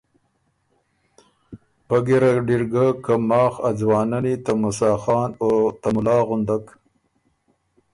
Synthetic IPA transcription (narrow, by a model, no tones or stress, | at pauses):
paɡiɾaɖiɾɡakamɑːxad͡zwɑːnanit̪amusɑːxɑːnot̪amʊlɑːɣʊnd̪ak